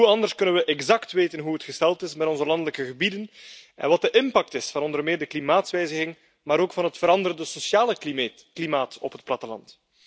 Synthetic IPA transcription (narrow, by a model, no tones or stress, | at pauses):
ɦuɑndərskɵnənʋəʔɛɡzɑktʋeːtənɦuətxəstɛlˠtɪsmɛtɔnzəlɑndələkəɣəbidənɛ̰nʋɑt̚dəʔɪmpɑk̚tɪsfɑnɔndərmɪːrdəklimaːtsʋɛjzəɣɪŋ | maːɾoːkfɑnɦətfəɾɑndəɾəndəsosjaːlə | klimaːtɔpɦət̚plɑtəlɑ̰nt